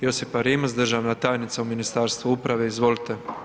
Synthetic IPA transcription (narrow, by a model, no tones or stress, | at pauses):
josifaɾiːmazd̪rʒaːʋnat̪aːjnit̪sauminist̪aːɾst̪ʋuupɾaʋeizʋolt̪e